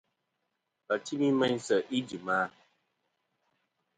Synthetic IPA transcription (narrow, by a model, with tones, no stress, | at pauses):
ə˨ti˦mi˦mɛ˦n˦sə˨ʔi˦d͡ʒi˨ma˦